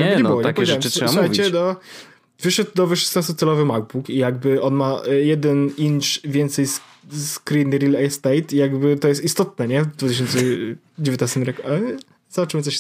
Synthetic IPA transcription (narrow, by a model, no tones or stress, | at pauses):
ɲɛnbɪwɔɲɛakpɔvɛdaɛmsʂɛajvit͡ɕɛd̪ɔ | vɘʂɛd̪̚d̪ɔvɨʂɛ̥st̪ast̪ɔt̪sɛlɔvɘmaɡ̚bukijaɡbɘʔɔnmajɛd̪ɛnint͡ʂvʲjɛnt̪sɛjs | skɾinɘɾilɛst̪ɛjt̪ijaɡbɘt̪ɔjɛst̪ist̪ɔt̪̚nɛɲɛvd̪vut̪ɪɕɔnt̪sɛ | d͡ʑevʲjɔt̪nast̪ɛmɾɛka | zbat͡ʂmət̪sɔɕ